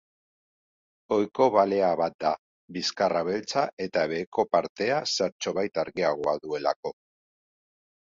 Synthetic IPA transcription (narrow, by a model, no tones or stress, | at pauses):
o̞jko̞βale̞aβat̪̚d̪a | biskaraβ̞e̞lt͡saʔe̞t̪aβe̞ːko̞paɾt̪e̞asaɾt͡ʃo̞βajt̪aɾɣiaɣ̞o̞aðue̞la̰ko̞